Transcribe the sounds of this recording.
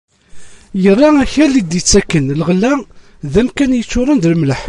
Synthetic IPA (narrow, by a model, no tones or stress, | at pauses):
jərˤːɑæçælːid̪it͡sːækːənləʁlːæ | ðæmkænjət͡sːʊɾˤənd̪lmləħ